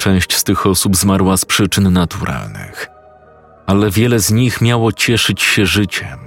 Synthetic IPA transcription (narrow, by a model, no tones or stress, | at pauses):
t͡ʂɛ̃w̃ɕt͡ɕst̪ɘxɔsubzmaɾwaspʂɘt͡ʂɘnːat̪uɾʔa̰lnɘ̰x | alɛvʲjɛlɛzɲixmʲjawɔt͡ɕɛʂɘt͡ɕɕɛʐɘt͡ɕɛ